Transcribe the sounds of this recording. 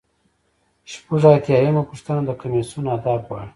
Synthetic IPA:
ʃpuʐaːt̪jɑːjamapuʂt̪anad̪əkamesunaːd̪ɑːbwɑɽi

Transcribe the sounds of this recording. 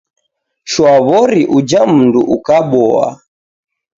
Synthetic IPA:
ʃwaβɔɾiʔud͡ʒam̩nduʔukaɓɔa̰

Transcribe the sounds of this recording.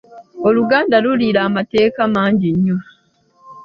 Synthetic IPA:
o̞luɡaːndaluliɾaːmate̞ːkamaːɲɟiɲːu

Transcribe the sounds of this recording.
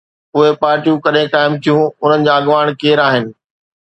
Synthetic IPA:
ʊɦepaːɾʈijũkɐɗẽkaːɪmt̪ʰijũʊn̤ənɪ̆d͡ʑaːɐɠʋaːɽ̃keːɾaːɦɪnɪ̆

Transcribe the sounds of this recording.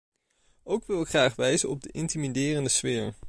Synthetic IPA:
owkʋɪlˠɪkχraːχʋɛjzənɔb̚dəʔɪntimidɪːrəndəsʋɪːɹ

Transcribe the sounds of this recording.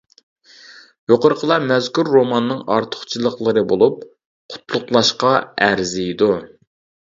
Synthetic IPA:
joqəɾəqʰəlˠɑmɛzkʲuɾːomɑnːɨŋɑɾt̪ʰʊ̥χt͡ʃʰilˠəqlˠɨɾɨbolˠup̚ | qʰʊ̥t̪ʰlˠʊqlˠɑʃqɑæɾzɪjid̪u

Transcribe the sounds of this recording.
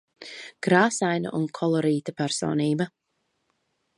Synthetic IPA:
ɡ̥ɾaːsajnɐ̰ʔunkʰɔlˠɔɾiːt̪apæɾsɔ̰ːniːbɐ

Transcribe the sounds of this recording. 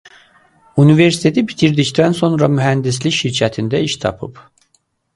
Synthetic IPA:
unive̞ɾsi̥t̪ʰet̪ʰibit̪ʰiɾd̪ict̪ʰænso̞nɾɑmyɦænd̪isliçʃiɾcʰæt̪ʰind̪æiʃt̪ʰɑ̰pʰɯ̰p

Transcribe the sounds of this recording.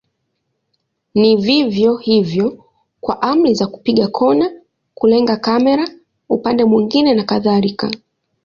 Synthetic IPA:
nivivjɔhivjɔ | kwaʔam̩lizaku̥piɠakʰɔna | kulɛŋɡakamɛɾa | upandɛmwiŋɡinɛnakaðalika

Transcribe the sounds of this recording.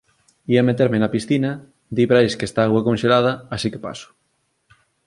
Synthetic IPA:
iamet̪eɾmenɐpisθinɐ | d̪iβɾajskest̪aaɣwakonʃelað̞ɐasike̥pa̰sʊ̥

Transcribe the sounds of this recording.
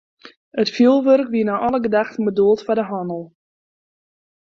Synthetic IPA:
ətfilˠʋørkʋiənaʔɔləɡədaxtən̩bəduəlˠtfadəɦɔnəlˠ

